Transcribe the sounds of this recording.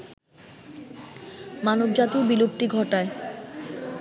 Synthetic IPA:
manobd͡ʑat̪ibilup̚ʈiɡʱɔʈae

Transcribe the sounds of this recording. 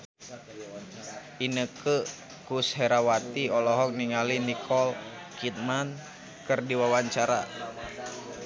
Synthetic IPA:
inəkə | kusɦɛɾawat̪iɔlɔɦɔk̚niŋalinikʰɔl | kʰit̪̚man | kərdiwawaɲt͡ʃaɾa

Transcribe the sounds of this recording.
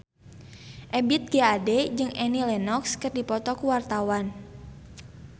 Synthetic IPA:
ʔɛbit̪̚ɡ̥eadɛd͡ʒɨŋʔɛnilɛnɔkskɨrdipɔt̪ɔkuwart̪awan

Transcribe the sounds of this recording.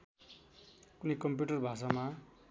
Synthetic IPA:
kunikʌmpjuʈʌrbʱasama

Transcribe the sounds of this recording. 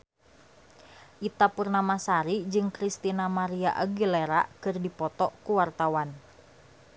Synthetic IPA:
ʔit̪apurnamasaɾid͡ʒɨŋkɾist̪inamaɾiaʔaɡileɾa̰kɨrdipɔt̪ɔʔkuwart̪awan

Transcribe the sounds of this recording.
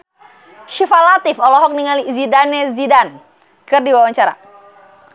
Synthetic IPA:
ʃifalat̪ɪfɔlɔɦɔk̚niŋalizidanɛzidan | kɨrdiwawaɲt͡ʃaɾa̰

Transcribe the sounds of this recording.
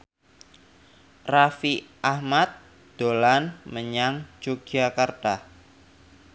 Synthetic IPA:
rafiʔahmat̪̚ | d̪̥olanməɲaŋd͡ʒoɡ̥akərd̥ah

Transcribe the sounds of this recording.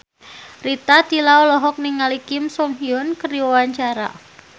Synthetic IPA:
rit̪ad̪̥ilaɔlɔɦɔk̚niŋalikɪmsɔŋɦiʊnkəɾiawaɲt͡ʃaɾa̰

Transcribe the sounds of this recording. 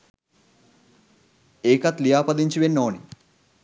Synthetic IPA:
eːkɐt̪lijaːpɐd̪iɲt͡ʃiʋenːoːni

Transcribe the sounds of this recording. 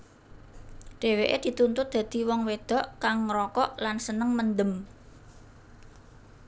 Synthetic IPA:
ɖ̥e̤weʔḛd̪̥i̤t̪unt̪ʊt̪̚d̪̥ä̤d̪̥i̤wɔŋwed̪̥ɔ̤ʔkaŋːɾɔkɔʔlansənəŋmənd̪əm

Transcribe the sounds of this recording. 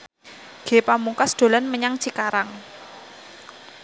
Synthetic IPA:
ɡ̥e̤pamuŋkasd̪̥o̤lanməɲaŋt͡ʃikaɾaŋ

